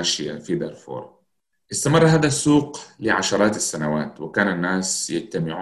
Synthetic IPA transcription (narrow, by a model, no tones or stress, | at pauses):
ʃɪja̰fid̪ɑɾˤfo̰ːɾˤ | ʔɪst̪amɑrˤːɦaːd̪asuːqlɪʕaʃɑɾˤɑːt̪asːanawaːt̪wɪkaːnanːaːsjad͡ʒt̪amɪʕuː